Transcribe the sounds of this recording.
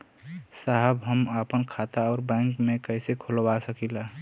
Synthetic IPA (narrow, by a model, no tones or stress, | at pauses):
saɦəbɦəmapənkʰat̪aɔːɾbɛ̃ŋkmekəsekʰolbasəkila